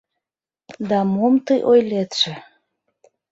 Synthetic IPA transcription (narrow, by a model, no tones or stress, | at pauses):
d̪ɑmomt̪əjʔojlet̪ʃĕ